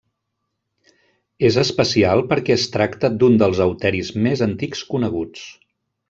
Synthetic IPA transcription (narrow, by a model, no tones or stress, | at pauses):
ezəspəsialˠpəɾkɛəst̪ɾakt̪əd̪und̪əlˠzəwt̪ɛɾizmezənt̪ikskunəɣ̞ut͡s